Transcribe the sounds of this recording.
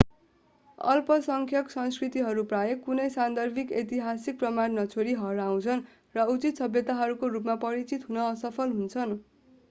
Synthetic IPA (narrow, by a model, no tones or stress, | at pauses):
ʌ̰lpʌsʌŋkʰjʌksʌnskrit̪iɦʌɾuprajʌkːunʌjsand̪ʌrbʱiket̪iɦasik̚prʌmannʌt͡sʰoɾiɦʌɾaw̃t͡sʰʌn | rʌut͡sit̪sʌbjʌt̪aɦʌɾukorupmapʌɾit͡sit̪ɦunʌːsʌpʰʌlɦunt͡sʰʌn